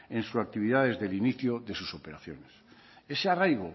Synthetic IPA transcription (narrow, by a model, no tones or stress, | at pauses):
ẽnsusak̚t̪iβ̞iðaðe̞zðeliniθjoðe̞suso̞pe̞ɾaθjo̰nes | e̞searajɣ̞o